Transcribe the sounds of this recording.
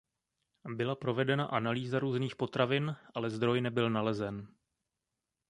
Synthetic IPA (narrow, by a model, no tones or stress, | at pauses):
bɪlapɾo̞vɛdɛnaʔanaliːzaɾuːzniːxpo̞t̪ɾavɪnʔalɛzd̪ɾo̞jnɛbɪlnalɛzɛn